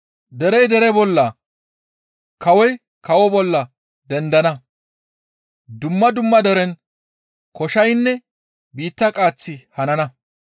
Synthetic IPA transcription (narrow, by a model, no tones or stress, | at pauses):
d̪ɛɾɛjd̪ɛɾɛbɔlːɐ | kɐwɔj | kɐwɔbɔlːɐ | d̪ɛnd̪ɐnɐ | d̪ʊmːɐd̪ʊmːɐd̪ɛɾɛn | kɔʃɐjnːɛ | biːt̪ːɐkʼaːt͡sːɪhɐnɐnɐ